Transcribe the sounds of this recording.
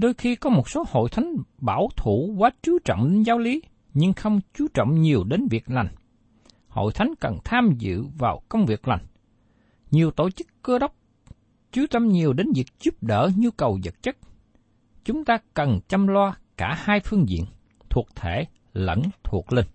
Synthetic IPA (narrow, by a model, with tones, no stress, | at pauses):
ɗo˧jxi˧kɔ˨˦mo˨˩t̚so˨˦ho̰˧˨jt̪ʰa˨˦jŋ̟ɓaː˧˩wt̪ʰu˧˩kwaː˨˦t͡ɕɨ˨˦t͡ɕɔ̰˧˨wŋ͡mɗe˨˦nzaː˨˦wli˨˦ | ɲɨ˧ŋxə˧wŋ͡mt͡ɕu˨˦t͡ɕɔ̰˧˨wŋ͡mɲi˨˩əwɗe˨˦nvi˨˩ək̚la˨˩jŋ | ho̰˧˨jt̪ʰa˨˦jŋ̟kə˨˩nt̪ʰaː˧mzɨ̰˧˨vaː˨˩wkə˧wŋ͡mvi˨˩ək̚la˨˩jŋ̟ | ɲi˨˩əwt̪o˧˨t͡ɕɨ˦˥kːəː˧ɗə˦˥wk͡p̚ | t͡ɕɨ˨˦t̪ə˧mɲi˨˩əwɗe˨˦nvi˨˩ək̚z̥u˦˥p̚ɗəː˧˩ɲu˧kə˨˩wzə̰˨˩t̚t͡ɕə˦˥k̚ | t͡ɕʊ˨˦ŋ͡mt̪aː˧kə˨˩nt͡ɕa˧mlwaː˧kaː˧˩haː˧jfɨ˧əŋzḭ˧˨ən | t̪ʰu˨˩ək̚t̪ʰe˧˩ | lə̰˧˥nt̪ʰu˨˩ək̚lï˧ŋ